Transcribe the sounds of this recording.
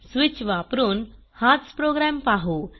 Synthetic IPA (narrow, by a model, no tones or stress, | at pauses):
sʋit͡ɕʋapɾuːn | hat̪spɾoɡɾampaɦu